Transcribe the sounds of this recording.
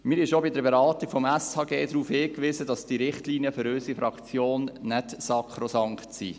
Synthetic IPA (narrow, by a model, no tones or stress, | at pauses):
mɪɾɪʃobɪdəbeɾɑːt̪iɡ̥fɔmɛshɑːɡeːdɾuːfhɪːkʋɪzədɑsd̥iɾɪχtliːniəføɾøsifɾɑkt͡sjoːnnɛtsɑkʰɾosɑŋkχtsḭː